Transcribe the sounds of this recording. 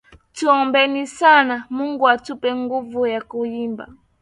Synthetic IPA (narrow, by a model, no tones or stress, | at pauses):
tuɔmbɛnisanamuŋɡuatupɛŋɡuvujakujimba̰